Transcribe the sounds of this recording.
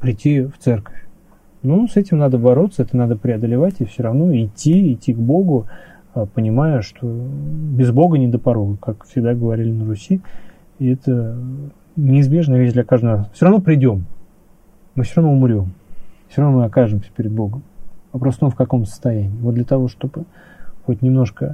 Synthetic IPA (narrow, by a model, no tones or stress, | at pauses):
pɾʲɪtʲːift̪sɛrkə̥fʲ | nusɛtʲɪmnad̪əbɐɾo̞t̪səɛt̪ənad̪əpɾʲɪɐd̪əlʲɪvatʲifsʲoɾɐvn̪o̞ɪtʲːiɪtʲːiɡbo̞ɡʊ | apənʲɪmajəʂt̪ʰo̞bʲɪzbo̞ɡənʲɪd̪əpɐɾoɡ̪ʊkakfsʲɪɡd̪aɡəvɐɾʲilʲɪnəɾʊsʲi | ɛt̪ə | nʲɪɪzbʲeʐnəjəvʲeɕd̪lʲɐkaʒd̪ʊnasfsʲoɾɐvnopɾʲɪdʲo̞m | ɨfsʲoɾɐvnoʊmɾʲo̞mfsʲoɾɐvnomɨɐkaʐɨmsʲə̥pʲɪɾʲɪd̪̚bo̞ɡəmɐpɾosofkɐko̞msə̥st̪ɐjænʲiːvod̪lʲət̪ɐvo̞ʂt̪o̞bɨ | xo̞tʲnʲɪmno̞ʂkə